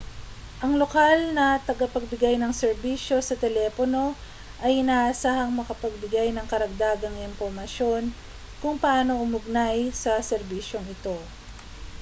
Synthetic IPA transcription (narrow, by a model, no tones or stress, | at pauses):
ʔɐŋlo̞kalnɐt̪ɐɡɐpɐɡ̚bɪɡajnɐŋsɛɾbiʃjo̞sɐt̪ɛlɛːpono̞ | ʔɐjnasahɐŋmɐkɐpɐɡ̚bɪɡajnɐŋkɐɾɐɡ̚d̪aːɡɐŋɪmpoɾmɐʃo̞n | kʊŋpɐʔaːno̞ʔʊmʊɡ̚najsɐsɛɾbiːʃjo̞ŋɪt̪o̞